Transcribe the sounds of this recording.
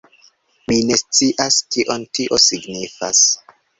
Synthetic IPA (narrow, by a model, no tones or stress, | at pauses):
mine̞st͡siʔaskiʔontiʔo̞siɡnifa̰s